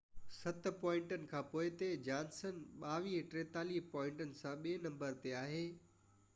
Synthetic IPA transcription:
sɐt̪̆pɔːɪ̃ɳʈənɪ̆kʰãːpoːɪt̪ed͡ʑãːnsənɓaːʋiːɦʈɾeːt̪aːliːpɔ̃ːɪ̃ɳʈənɪ̆sãɓeːnɐ̃mbəɾt̪eaːɦeː

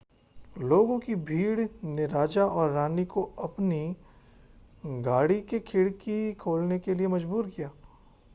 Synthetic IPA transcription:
loːɡõkibʱiːɽneɾaːd͡ʒaʔɔːɾːaːnikoɐpni | ɡaːɽikekʰɪɽkikʰoːlnekeliemɐd͡ʒbuːɾkijaː

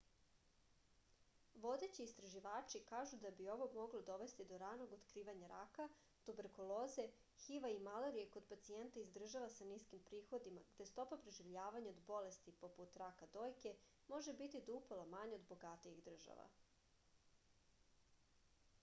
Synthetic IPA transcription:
ʋo̞d̪e̞t͡ɕiːst̪ɾaʒiʋaːt͡ʃikaːʒud̪abio̞ʋoɡmo̞ɡlod̪o̞ʋe̞st̪id̪o̞ɾano̞ɡot̪kɾiːʋaɲaɾaka | t̪ube̞ɾkolˠoːze̞ | xiʋaimaleɾijeko̞d̪pat̪sient̪aizd̪r̩ʒaʋasaniskimpɾiːxo̞d̪imaɡd̪e̞st̪o̞papɾeʒiʋʎaːʋaɲaod̪bo̞le̞st̪ipo̞put̪ɾakad̪o̞ːjke̞ | mo̞ʒe̞bit̪id̪upolˠamaɲeo̞d̪bo̞ɡat̪ijiɣd̪r̩ʒa̰ʋa̰

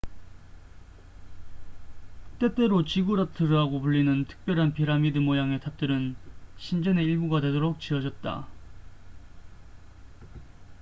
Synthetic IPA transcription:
t͈e̞t͈e̞ɾot͡ɕiɡuɾatʰɯɾɯɦaɡopuɭːinɯntʰɯ̥k̚p͈jʌɾɦanpiɾamidɯmojaŋe̞tʰap̚t͈ɯɾɯnɕʰind͡ʑʌne̞iɭbuɡade̞doɾok̚t͡ɕiʌd͡ʑʌt̚t͈a̰

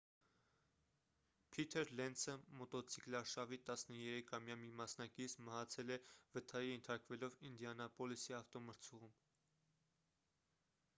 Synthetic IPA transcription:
pʰit̪ʰɛɾlɛnsəmɔt̪ɔt͡sʰiklɑɾʃɑvit̪ɑsnəjɛɾɛkʰɑmjɑmimɑsnɑkit͡sʰməɦɑt͡sʰɛlɛvət̪ʰɑjijɛnt̪ʰɑɾkvɛlɔvind̪jɑnɑpɔlisiɑft̪ɔməɾt͡sʰuʁum

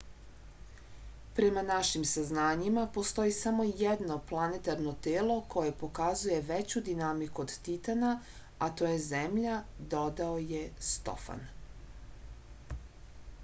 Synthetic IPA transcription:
pɾe̞manaʃimsaznaːɲimapo̞st̪o̞jisamo̞jed̪no̞plˠanet̪aɾno̞t̪eːlˠo̞kʰo̞je̞po̞kazuje̞ʋet͡ɕud̪inamikuod̪t̪it̪ana | at̪o̞je̞zemʎad̪o̞d̪aoje̞st̪o̞̰fa̰n

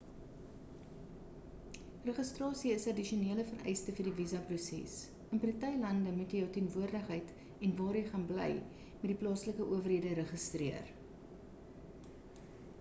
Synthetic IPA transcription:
rəχəstrɑːsiəsɐdiʃioniələfərɛ̰jstəfərdivizɐprusɛ̰s | ənprətɐjlɐndəmutjəjəwtiənvuərdəχɦəjt | ɛnvɑːrjəjχɑnblɛ̰j | mɛt̚diplɑːsləkəʔuəvərɦiədəɾəχəstriər

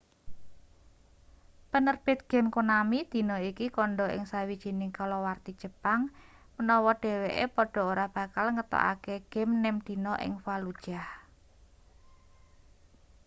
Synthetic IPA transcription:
pənərb̥ɪ̤t̪̚ɡ̥ɛ̤mkunamid̪̥i̤nɔikikɔɳɖɔʔɪ̰ŋsawid̥ʒ̥i̤nɪŋkalɔwart̪id̥ʒ̥ə̤paŋ | mənɔwɔɖ̥e̤weʔḛpɔɖ̥ɔ̤oɾab̥a̤kalŋət̪ɔ̰ʔa̰keɡ̥ɛ̤mnɛmd̪̥i̤nɔʔɪ̰ŋfalud̥ʒ̥ah

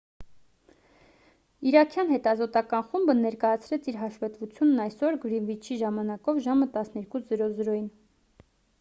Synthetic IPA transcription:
iɾɑkʰjɑn̪hɛt̪ɑzɔt̪ɑkɑnχumbənɛɾkɑjɑt͡sʰɾɛt͡sʰiɾɦɑʃvɛt̪vut͡sʰjunːɑjsɔɾɡɾinvit͡ʃʰiʒɑmɑnɑkɔvʒɑmət̪ɑsnɛɾkuzəɾɔzəɾɔjin

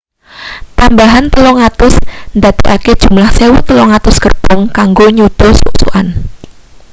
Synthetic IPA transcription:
t̪ambaɦant̪əlɔŋat̪ʊsnd̪at̪eʔaked̥ʒ̥ṳmlahsewut̪əlɔŋat̪ʊskərt̪ɔŋkaŋɡoɲud̪̥ɔsṵʔsṵʔan

